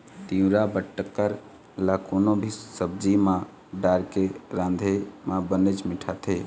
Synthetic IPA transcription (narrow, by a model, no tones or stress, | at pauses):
t̪iũɾabəʈːəkːəɾ | lakonobʱisəb̚d͡ʒimã | ɖaɾkeɾãnd̪ʱemãbənət͡ʃmiʈʰat̪ʰɦe